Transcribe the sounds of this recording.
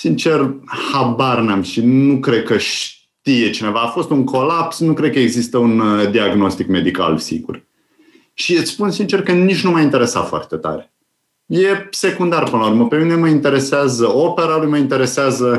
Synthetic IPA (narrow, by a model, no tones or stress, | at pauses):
sint͡ʃe̞rhabarnamʃinukɾe̞d̪̚kəʃ | t̪ije̞t͡ʃine̞vaːfo̞st̪uŋkʰo̞lapsnukɾekəeɡzist̪əund̪iaɡno̞st̪ikme̞d̪ika̰lsḭɡṵr | ʃiɨt̪sspunsint͡ʃe̞rkənit͡ʃnumaint̪eɾe̞sa̰t̪foa̰rt̪e̞t̪a̰ɾe | je̞se̞kund̪arpɨnlaurməpe̞mine̞məint̪e̞ɾe̞seazəo̞pe̞ɾalujməint̪e̞ɾe̞seazə